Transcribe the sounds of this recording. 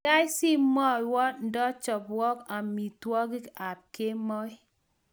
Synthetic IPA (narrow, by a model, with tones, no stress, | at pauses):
a˦jsi˦mɔ˦˨wɔ˦n˦dɔ˦t͡ʃɔ˨pwɔ˦ka˨mi˨twɔ˦ɡi˦ka˨p̚ke˦mɔ˦i˦